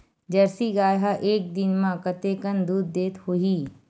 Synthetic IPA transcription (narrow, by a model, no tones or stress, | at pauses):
d͡ʒɐɾsiɡaːjɦaʔeːk̚d̪ɪnmãkət̪ekənd̪uːd̪ːeːt̪hoɦiː